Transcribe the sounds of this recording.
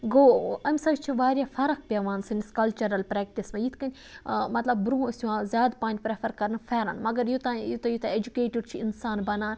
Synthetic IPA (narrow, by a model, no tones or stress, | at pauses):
ɡoːɐmʲsɐɡt͡ʃʰiʋaːɾʲjaːfɐɾɐk̚pʲɐʋaːnsɨniskɐlt͡ʃɐɾɐlpɾɛːk̚ʈismẽjit̪ʰkɐnʲ | mɐt̪lɐbbɾuːɐsuãːzʲaːd̪pãːnʲpɾefʰɐɾkɐɾnɨfʰɛːɾɐ̰nmɐɡɐɾjut̪ajut̪ɐjut̪ɐ̃ed͡ʒukeːʈiɖt͡ʃʰiinsaːnbɐnaːn